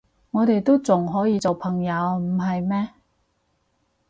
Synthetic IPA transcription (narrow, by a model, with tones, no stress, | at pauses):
ŋɔː˨˧t̪e˨jt̪o˥wt͡sʊ˨˩ŋɦɔː˨˥jiː˨˧t͡so˨wpʰɐ˨˩ŋjɐ˨˧wm̩˨˩ɦɐ˨jmɛː˥